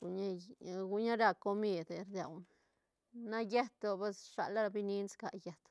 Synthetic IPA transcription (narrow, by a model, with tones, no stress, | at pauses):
u˨ɲa˦ɡu˧ɲa˦ɾa˧ko˧mi˧d̪ɾd̪ja˨wn | na˦je˦t̪o˧be˦sʂa̰˨la˦ɾa˧bi˦ni˦nska˨je˨t̪